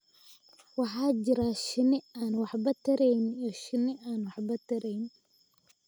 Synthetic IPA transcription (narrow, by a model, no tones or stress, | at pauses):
wɑħɑːt͡ʃɪɾaːʃɪnɪaːnwɑħbɐt̪ʰɐɾɛjniɔʃɪnɪʔaːnwɑħbɐt̪ʰɐɾɛjn